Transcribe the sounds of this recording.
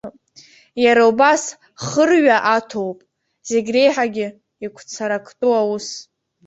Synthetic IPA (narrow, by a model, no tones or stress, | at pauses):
jaɾaubas | χərɥaʔatʰo̞wpʼ | z̥e̞ɡʲre̞jħaɡʲɪ | ikʷʰt͡sʰaɾakʰʼtʼuawus